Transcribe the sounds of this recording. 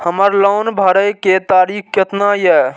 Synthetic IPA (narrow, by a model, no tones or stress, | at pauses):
həməɾlɔwnbʱəɾəjket̪aɾik̚ʰkət̪najɛ